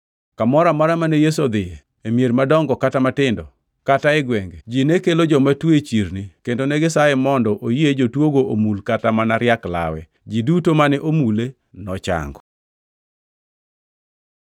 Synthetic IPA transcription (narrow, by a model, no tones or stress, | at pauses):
kamɔɾamaɾamanejes̬od̪ɪe | emjeɾmadɔŋɡɔkatamatɪndɔ | kataɛɡwɛŋɡed͡ʒinekelod͡ʒɔmatwet͡ʃiɾnikendonɛɡɪsaɛmɔndɔʔojied͡ʒotwoɡoʔomulkatamanaɾjakla̰wɛ̰ | d͡ʒidutomanɛʔomule | nɔt͡ʃa̰ŋɡɔ